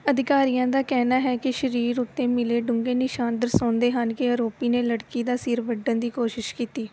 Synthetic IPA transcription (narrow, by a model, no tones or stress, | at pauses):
əd̪ɪkaːɾijãːd̪aːkɛːnaːɦɛːkɪʃəɾiːɾʊt̪ːẽːmɪleːɖʊŋɡeːnɪʃaːnd̪əɾsõːnd̪eːɦənkɪəɾoːpiːneːləɽkiːd̪aːsɪːɾʋəɖənd̪iːkoːʃɪʃkiːt̪iː